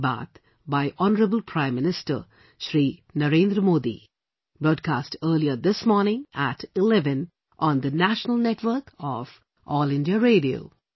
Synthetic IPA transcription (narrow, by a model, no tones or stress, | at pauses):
ba̰t̪ | baɪʔɔnəɾəbəl̩pʰɾãɪ̃mːɪnɪsʈə̰ | ʃɾiːnəɾẽːnd̪ɾəmoːd̪ḭ | b̥ɾɔːɖ̚kasʈəːliəd̪ɪsmɔːnɪ̃ŋæʈɪlɛʋə̃n | ʔɔ̃nd̪ənæʃənəlˠnɛʈʋəːkʰɔv̥ | ʔɔːlɪ̃ndiəɾeːɖio̰ʊ